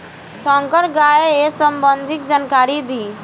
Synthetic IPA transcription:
sɔ̃ːŋkəɾɡaːeesəmbə̃nd̪ʱɪk̚d͡ʒaːnkaːɾid̪iː

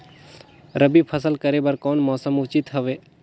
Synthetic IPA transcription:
ɾəbipʰəsəlkəɾebəɾkɔːnmɔːsəmut͡ʃit̪ɦəʋeː

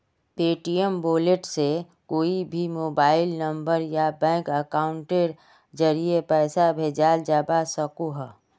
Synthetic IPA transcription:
peːʈiəmboːleʈse | koːibʱimoːbaːɪlnəmbəɾjabɛ̃ːŋkəkaʊɳʈeɾ | d͡ʒəɾiepɛɪsabʱed͡ʒald͡ʒəbasəkuɦɛ

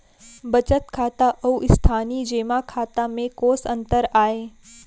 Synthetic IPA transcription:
bɐt͡ʃət̪kʰaːt̪aʔɐuʔɪst̪ʰaːnid͡ʒeːmakʰaːt̪amẽkoːsɐ̃nt̪əɾaːeː

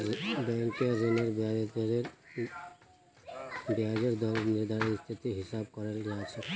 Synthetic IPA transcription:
bɛ̃ŋkeɾineɾbat̪ɾeɾ | bjad͡ʒeɾd̪ɔnɪɾd̪ʱanist̪ʰit̪iɦɪsabkɔɾeld͡ʒat͡ʃʰe

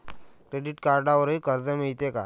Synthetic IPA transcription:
kɾeɖiʈkaɾɖaʋəɾikəɾd̪əmiɭt̪eka̰

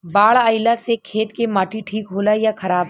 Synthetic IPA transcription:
baːɭaːɪlasekʰeːt̪kemaːʈʰiʈʰiːkɦoːlajakʰɐɾaːb

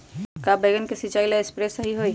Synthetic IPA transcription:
kaːbeɡənkesit͡ʃaːilaespɾeːsɐɦiɦoiː

